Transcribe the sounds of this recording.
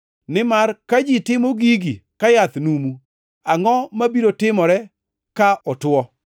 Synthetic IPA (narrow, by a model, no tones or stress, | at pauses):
nɪmarkad͡ʒitɪmoɡiɡikajat̪numu | aŋɔmabiɾotɪmɔɾɛ | kaʔɔtwɔ